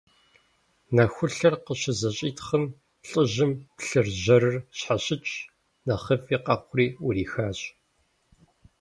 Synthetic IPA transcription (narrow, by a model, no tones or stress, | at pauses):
nɐxʷʊɬɐrqəɕɪzɐɕʼiːtχəm | ɬʼəʑɪmpɬɨrʑɐɾɨrɕħaɕɪt͡ʃʰʼ | nɐχɐfiːqɐχʷʊriːʊriːxaːɕʼ